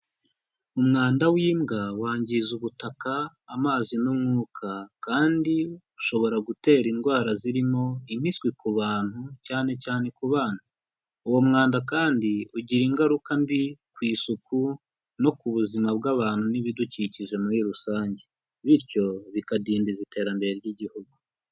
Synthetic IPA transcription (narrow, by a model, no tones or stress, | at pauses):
umŋaːndawiːmɡawaːɲɟizuβutakaː | maːzinumŋuːkʰakaːndiuʃo̞βo̞ɾaɡute̞ːɾinɡwaːɾaziɾimo̞imiskwikuβaːn̥hucaːne̞caːne̞kuβaːn̥a | uwo̞mŋaːndakaːndiuɟiɾiːŋɡaɾukambikwiːsukʰu | no̞kuβuzimabɡaβaːn̥huniβiduciciʒe̞muɾiɾusaːɲɟe | βiɾco̞βikadiːndizite̞ːɾambe̞ɾe̞ɾɟiɟihuɡu